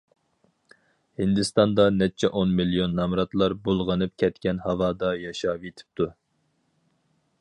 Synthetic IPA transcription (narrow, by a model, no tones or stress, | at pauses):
hind̪ɨst̪ɑnd̪ɑnɛt͡ʃʰɛʔonmilijonːɑmɾɑt̪lˠɑɾbolˠʁɑnɨp̚kʲʰɛt̪kʲɛnhɑvɑːd̪ɑjɑʃɑːvet̪ʰɪ̥p̚t̪ʰu